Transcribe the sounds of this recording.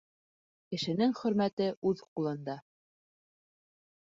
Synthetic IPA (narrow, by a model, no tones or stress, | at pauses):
kɘ̆ʃɘ̆nɘŋχɵ̆ɾmæt̪ɘʔʉðqulˠɤ̆nd̪ɑ